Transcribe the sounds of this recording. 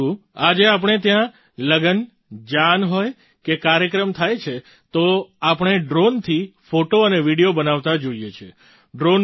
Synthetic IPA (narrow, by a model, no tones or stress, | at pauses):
uad͡ʒeap̬əɳ̃et̪jã | ləɡən | d͡ʒanɦoj | kekaɾjəkɾəmt̪ʰajt͡ʃʰe | t̪oapəɳ̃eɖɾont̪ʰifoʈoəneʋiɽijobənaʋt̪ad͡ʒoijet͡ʃʰe | ɖɾon